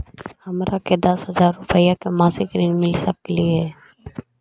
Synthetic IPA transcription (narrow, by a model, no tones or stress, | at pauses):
hɐmɾʔaked̪əsɦəzaːɾːʊpəjakemaːsɪkɾiːnmɪlsək̚keliɛː